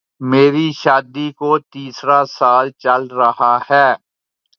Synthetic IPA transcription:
meːɾiʃaːd̪ikot̪iːsɾasaːlt͡ʃɐlɾɐhahɛː

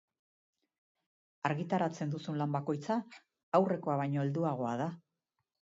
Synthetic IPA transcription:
aɾɣit̪aɾat͡se̞nd̪usunlambako̞jt͡saː | wre̞ko̞aβajɲoe̞ld̪uaɣ̞o̞að̞a

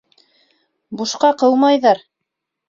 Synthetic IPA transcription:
buʃqɑqɤwˠmɑjðɑɾ

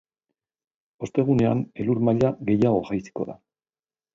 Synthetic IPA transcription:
o̞st̪e̞ɣ̞une̞a̰ne̞luɾmaʎaɣe̞jaɣo̞ɣajsi̥ko̞ða̰

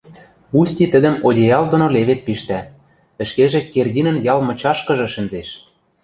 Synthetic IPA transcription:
pusʲtʲit̪ə̆d̪ə̆modʲejɑld̪ŏnoleβet̪̚piʃt̪æ | ɘ̆ʃkeʒĕkerdʲinə̆njɑlmɤ̆t͡ɕɑʃkɤ̆ʒɤ̆ʃɘ̆nzeʃ

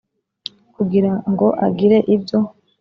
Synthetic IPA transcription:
kuɡiɾaŋɡo̞ʔaɡiɾe̞ʔibjo̞

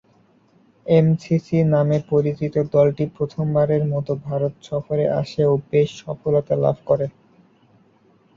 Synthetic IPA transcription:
emsisinamepoɾit͡ɕɾit̪od̪ɔlʈipɾot̪ʰombaɾeɾmɔt̪obʱaɾot̪ʃɔfoɾeʔa̰ʃeobeʃʃɔfolot̪ala̰bʱkɔɾe

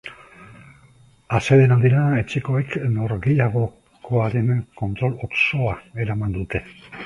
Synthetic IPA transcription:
ase̞ðenald̪iɾae̞t͡ʃeko̞e̞kno̞ɾɣejaɣ̞o̞ | kʰo̞aɾe̞nko̞nt̪ɾo̞loso̞ae̞ɾamand̪ut̪e̞

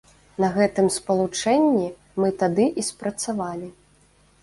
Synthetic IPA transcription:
nɐɣɛt̪ɨmspɐlˠut͡ʂɛnʲːi | mɨt̪ad̪ɨʔispɾɐt̪savalʲi

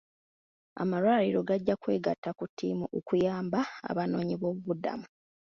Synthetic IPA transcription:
a̰malwaːliɾo̞ɡaɟːakwe̞ːɡatːakutʰːiːmuʔokujaːmbaa̰βano̞ːɲiβo̞ːβuβuda̰mu

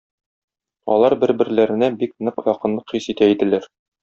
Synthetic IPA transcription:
ɒ̰lˠɑɾbɘ̆ɾbɘ̆ɾlæɾɘ̆næbik̚nɤqjɒqɤ̆nlˠɤqχisit̪æid̪ɘ̆læɾ

